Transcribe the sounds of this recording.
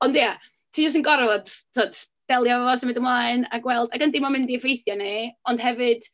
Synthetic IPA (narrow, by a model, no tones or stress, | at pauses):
ɔndja | tʰiːd͡ʒɔs̬tənɡɔɾvɛbstʰoːd̥ | b̥ɛlˠjaavɔsəmɪndəmlˠaːɨna̰ɡwɛlˠdaɡəndɪmɔmɪndivejθjaneɔnd̥hɛvɨd̥